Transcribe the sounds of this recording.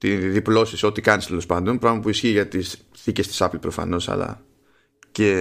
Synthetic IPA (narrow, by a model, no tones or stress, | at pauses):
t̪iðiplo̞siso̞t̪ikɐnist̪e̞lo̞spɐnd̪o̞npɾɐmɐpuisçiʝɐt̪is | θice̞st̪isɐplipɾo̞fɐ̰no̞sɐ̰lɐ̰ | ce